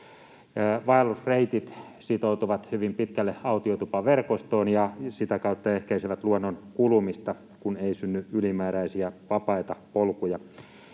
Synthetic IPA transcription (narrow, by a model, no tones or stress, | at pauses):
ʋɑelːusreit̪it̪ | sit̪out̪uʋɑt̪hyʋimpit̪kælːeɑut̪iot̪upɑʋerkost̪oːnjɑsit̪ækɑut̪ːɑehkæiseʋæt̪luonːonkulumist̪ɑ | kuneisynːyylimæːɾæisiæʋɑpɑit̪ɑpolkujɑ